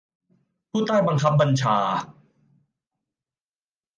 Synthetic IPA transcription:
pʰuː˥˩t̪a˥˩jba˧ŋkʰa˦˥p̚ba˧nt͡ɕʰaː˧

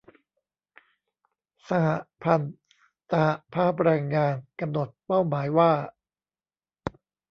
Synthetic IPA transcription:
sa˧ha˨˩pʰa˧n | sa˧ha˨˩pʰaː˥˩p̚ɾaː˧ŋːaː˧nka˧mno˨˩t̪̚pa˥˩wmaː˩˦jwaː˥˩

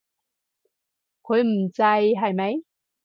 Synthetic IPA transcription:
kʰɵ˨˧ɥm̩˨˩t͡sa˧jɦɐ˨˧˩jmɐ˨˧˥j

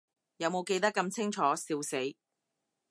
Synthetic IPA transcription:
jɐ˨˧wmo˨˧wke˧jt̪ɐ˥kːɐ˧mt͡sʰɪ˥ŋt͡ʃʰɔː˨˥siː˧wse˨˥j

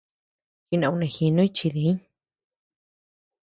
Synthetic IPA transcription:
xi˧nã˧˨ũ˧nẽ˧˨xi˧nõ˦i˦t͡ʃi˧ði˨i˦ɲ

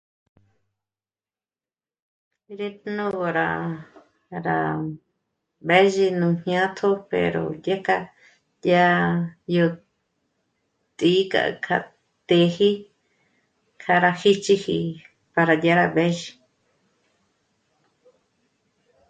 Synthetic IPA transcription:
i˧ɾe˦t̪nũ˦ɣo˧ɾa˨ | ɾa˨ | be˦ʒi˧nũ˧˨hj̃ã˦t̪ʰo˦pḛ˨ɾo̰˨d̪ja˦ka˧ | ja˦jo˧ | t̪ʼi˧˦ka̰˨ʔkʰa˧ | t̪e˧hi˦ | kʰa˧ɾa˧hi˦t͡ʃi˧hi˧ | pa˧ɾa˨d̪ja˧ɾa˧βe˦ʒi˧

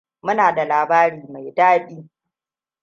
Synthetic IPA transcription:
mʊ˦naː˨da˨laː˨baː˦ɾiː˦˨ma˨jdaː˦ɗiː˦

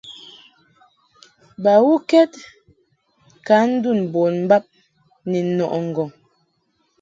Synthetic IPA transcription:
ba˨wu˦kɛ˦t̚ | ka˨˦n̩˦du˦˨n˨bo˨nm̩˦ba˦p̚ | nɛ˨˦nɔ˨ʔŋ̩˨ɡɔ˨ŋ

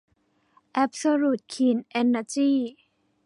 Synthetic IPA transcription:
ʔɛ˦˥p̚so˧ɾuː˨˩t̪̚kʰiː˨˩nʔe˧nːa˧t͡ɕiː˥˩

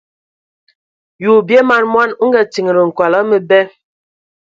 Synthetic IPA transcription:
juː˨bje˦ma˨nmwa˦nu˦ŋ˦ɡɛ˦ti˨ŋ˨ɾə˨ŋ̩˨kwa˨la˦mə˦bɛ˦

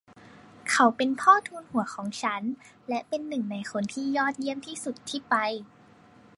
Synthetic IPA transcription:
kʰa˨˩wpe˧npʰɔː˥˩t̪ʰuː˧nhu˩˦ɐkʰɔː˩˦ŋt͡ɕʰa˦˥n | lɛ˦˥ʔpe˧nːɯ˨˩ŋna˧jkʰo˧nt̪ʰiː˥˩jɔː˥˩t̪̚ji˥˩əmt̪ʰiː˥˩su˨˩t̪ʰːiː˥˩pa˧j

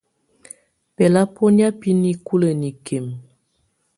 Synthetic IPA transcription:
pɛ˨la˦po˦nja˦pi˦ni˨ku˦lə˨ni˨kʰe˨m

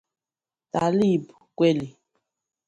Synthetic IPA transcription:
ta˨li˦˨bu˨kwe˦li˨

